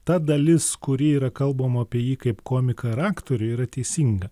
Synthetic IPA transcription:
t̪ɐd̪ɐlʲɪskʊɾʲiːiːɾɐkɐlˠbɐmɐɐpʲiɛjiːkɐɪpkoːmʲɪkɐɾɑːkt̪oːɾʲʊiːɾɐt̪ʲɛɪsʲiːŋɡɐ

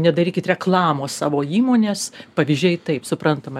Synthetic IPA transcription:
nʲɛd̪ɐɾʲiːkʲɪt̪rʲɛklˠɑːmoːssɑːʋoːiːmoːnʲeːspɐʋʲizʲd͡ʒʲɛɪt̪ɐɪpsʊpɾɐnt̪ɐmɐ

